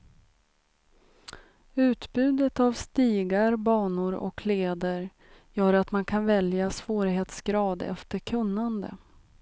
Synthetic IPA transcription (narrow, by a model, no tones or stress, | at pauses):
ʉ̟ːt̪bʉ̟ːd̪ət̪avst̪iːɡaɾbɑːɳʊɾʔɔ̰kʰleːd̪əɾ | jœːɾat̪mankʰanvɛljasv̥oːɾɪɦeːt̪sɡɾɑːd̪ɛ̰ft̪əkʰɵnːand̪ə̰